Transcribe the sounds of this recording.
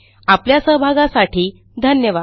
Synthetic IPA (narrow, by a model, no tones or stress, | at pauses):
apljasəɦbʱaɡãsaʈʰiː | d̪ʱənjəʋa